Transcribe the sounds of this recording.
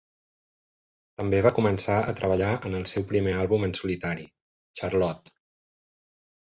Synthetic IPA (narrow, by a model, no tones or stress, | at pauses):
t̪əmbeβakumənsaə̰t̪ɾʔəβ̞əʎaʔənəlˠsɛwpɾimealˠβumənsulit̪aɾi | t͡ʃarlɔt̪